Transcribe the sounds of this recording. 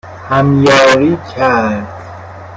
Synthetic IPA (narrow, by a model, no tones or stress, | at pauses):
hæmjɒːɾiːcʰæɾd̪̥